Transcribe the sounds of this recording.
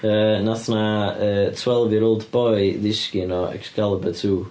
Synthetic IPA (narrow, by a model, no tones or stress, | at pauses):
əːnaθnaəːtʰwɛlˠvɨɾolˠdb̥ɔɨjðɪskinɔɛ̰ksɡ̥alˠəbətʰuː